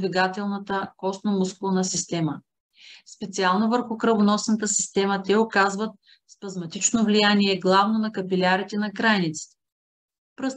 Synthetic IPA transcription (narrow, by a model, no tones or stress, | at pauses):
vɛɡat̪ɛlˠnət̪əkɔsnomusklˠnəsist̪ɛmə | spɛt̪sialˠnovəɾxukɾəvonɔsnət̪əsi̥st̪ɛmət̪ɛokazvət̪̚ | spɐzmɐt̪it͡ʃnovlijaniɛɡlˠavnonɐkɐpilʲaɾit̪ɛnɐɡɾanit̪si̥t̪ | pɾɤs